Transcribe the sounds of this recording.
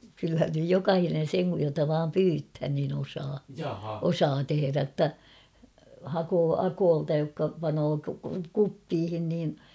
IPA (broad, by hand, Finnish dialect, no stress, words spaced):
kylhæn nyj jokɑhinen̞ seŋ kuj jotɑ ʋɑːm pyːthæn niːn osɑː osɑː teheræ tːæ hɑkoː ɑkoːltɑ jokːɑ pɑnoː kupːiːhin niːn